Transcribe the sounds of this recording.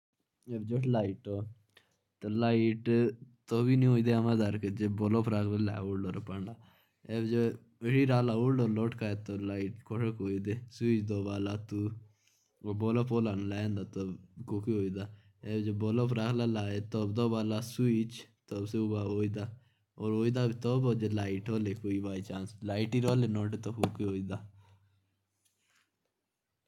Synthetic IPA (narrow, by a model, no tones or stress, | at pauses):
eːbd͡ʒoʈlaːiʈoː | t̪olaːiʈt̪oːbiːnĩɦoːid̪eəmãːd̪aɾked͡ʒeboːloːpʰɾaːkʰlela̰ːoːɽɖoːɾopəɳɖaː | eːbd͡ʒe | eɽiːɾaːlaːuːɽɖoːloːʈkaːeːt̪oːlaːiʈkʰoʂəkoːiːd̪eːsuiːt͡ʃd̪oːbaːlaːt̪uː | oːboːlopoːlaːnlaːjẽːnd̪aːt̪okoːkeoːid̪aː | ebd͡ʒoboːlopɾakʰlaːlaːet̪oːbd̪oːbaːlaːsuit͡ʃt̪obseubaːoːid̪aː | oːɾɦoːid̪aːbit̪oːboːd͡ʒelaːiʈɦoːleːkoːiːbaːit͡ʃaːnslaːiʈiɾoːleːnoːʈ̬et̪okoːkeɦoːid̪aː